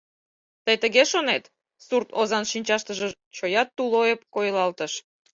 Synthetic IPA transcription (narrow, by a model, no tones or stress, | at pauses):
t̪əjt̪əɣeʃonet̪ | surt̪ozɑnʃinʲt͡ɕɑʃt̪əʒə̆ | t͡ɕojɑt̪ːulojep̚kojlɑlt̪əʃ